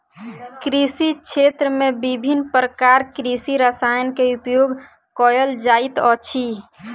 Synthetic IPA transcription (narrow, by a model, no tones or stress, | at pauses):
kɾisikt͡ʃʃʰet̪ɾəmẽbibʱinːpɾəkaɾkɾisiɾəsajənkeupjoɡ | kɔjəld͡ʒait̪ɔt͡ʃʰi